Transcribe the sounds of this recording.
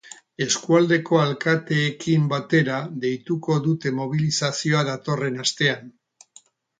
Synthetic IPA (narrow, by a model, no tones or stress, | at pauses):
e̞skuald̪e̞ko̞alkat̪e̞ːkimbat̪e̞ɾaðe̞jt̪uko̞ðut̪e̞mo̞β̞ilisasio̞aðat̪o̞re̞nast̪e̞an